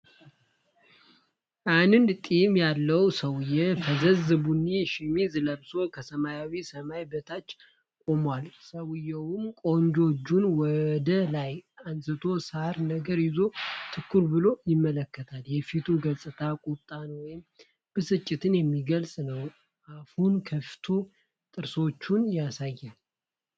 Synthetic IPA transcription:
ʔanɨnd̪t̪ʼimjalːəwsəwɨjːɛfəzəzɨbunːiʃɪmizɨləbso̞kʰəsəmajawisəmajbət̪ʰat͡ʃː | kʼo̞mwalsəwɨjɛwʊmkʼoɲd͡ʒo̞d͡ʒːunwɔd̪əlajansɨt̪ʰo̞saɾnəɡəɾjɪzo̞t̪ʰɨkːuɾbɨlo̞jɪmːələkːət̪ʰaljɛfit̪ʰuɡəlsʼɨt̪ʰakʼut̪ʼːanwɔjɪm | b̥ɨsɨt͡ʃʼːɪt̪ʰɨnjɛmːiɡəlsʼnəw | afunkʰəft̪ʰo̞ | t̪ʼɨɾso̞t͡ʃːunjasajːal

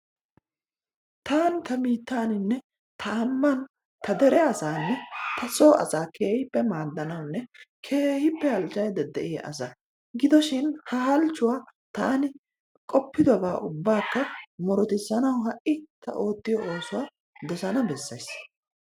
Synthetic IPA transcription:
t̪aːnt̪ɐmiːt̪ːaːnɪnːɛ | t̪ʰɐɐmːɐn | t̪ʰɐd̪ɛɾɛɐsaːnːɛt̪ʰɐso̞ːʔɐ̰saːkʰe̞ːhɪpːɛmaːd̪ːɐnɐwʊnːɛkʰe̞ːhɪpːɛhɐlt͡ʃːɐjd̪ɛd̪ɛ̰ʔɪ̰ʔɐ̰sɐ | ɡɪd̪ɔʃɪnhɐɦɐlt͡ʃːʊwaːt̪aːnɪ | kʼɔpːɪd̪ɔbaːʔʊbːaːkːɐmɔɾɔt̪ɪsːɐnɐwɦɐʔʔɪt̪ʰɐ̰ʔo̞ːt̪ːɪjɔo̞ːsʊwaː | d̪ɔsɐnɐbɛsːɐjs

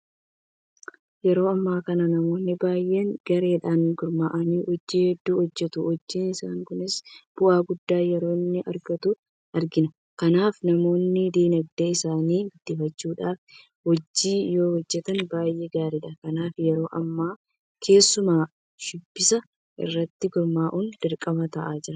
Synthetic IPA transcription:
jɛɾo̞ːɐmːaːkɐnɐnɐmo̞ːnːɪbaːjʔeːŋɡ̥ɐɾeːᶑaːnɡʊɾmaːʔɐniːhɔd͡ʒːiːhɛd̪ːuːhɔd͡ʒːɛt̪ʊhɔd͡ʒːiːnɪsaːŋkʊnɪsb̥ʊʔaːɡʊd̪ːaːjɛɾo̞ːnːɪʔɐɾɡɐt̪ʊ | ʔɐɾɡɪnɐ | kɐnaːfnɐmo̞ːnːɪd̪iːnɐɡ̚d̪eɪsaːniːɡɪd̪̥ːɪfɐt͡ʃːuːᶑaːf | hɔd͡ʒːiːjo̞ːhɔd͡ʒːɛt̪ɐnbaːjʔeːɡaːɾɪᶑɐkɐnaːfjɛɾo̞ːʔɐmːaː | kʰe̞ːsːʊmaː | ʃɪbːɪsɐ | ʔɪ̰rːɐt̪ːɪɡʊɾmaːʔuːnd̪ɪɾkʼːɐmɐt̪ɐʔaːd͡ʒɪɾɐ

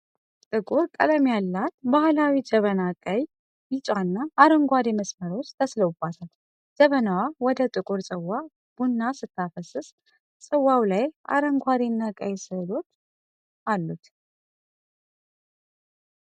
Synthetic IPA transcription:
t̪ʼɨkʼuɾkʼə̰ləmjalːat̪bahlawid͡ʒəβənakʼəj | jɪt͡ʃʼanːaʔːɾəŋɡʷad̪eməsməɾot͡ʃːt̪ʰəsləwbat̪ʰal | d͡ʒəβənawawɔd̪ət̪ʼɨkʼuɾsʼəwːa | b̥unːasɨt̪ʰːafəsɨs | sʼəwːawlaja̰ɾəŋɡʷad̪enːakʼə̰jsɨlo̞t̪ː | alːut̪

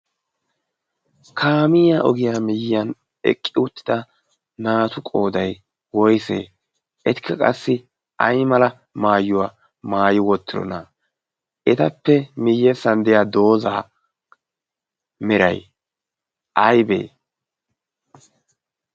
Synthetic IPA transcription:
kʰaːmɪjaːʔɔɡɪjaːmɪjɪjɐn | ɛ̰kʼːɪʊt̪ːɪ̥d̪ɐ | naːt̪ʊkʼoːd̪ɐj | wɔjsḛː | ʔɛt̪ɪ̥kʰːɐkʼɐ̰sːɪ | ʔɐjmɐlɐ | maːjːʊwaː | maːjɪwɔt̪ːɪɾɔ̰nɐ | ʔɛt̪ɐpːɛmɪjːɛsɐnd̪ɪjaːd̪o̞ːzaː | mɪɾɐ̰j | ʔɐjbḛː

